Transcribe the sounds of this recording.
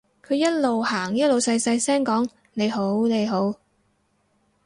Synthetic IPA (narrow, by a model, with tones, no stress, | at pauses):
kʰɵ˨˧jɐ˥t̚lo˨whaː˨˩ŋjɐ˥t̚lo˨wsɐ˧jsɐ˧jsɛː˥ŋkɔː˨˥ŋ | ne˨˧jɦo˨˥wne˨˧jɦo˨˥w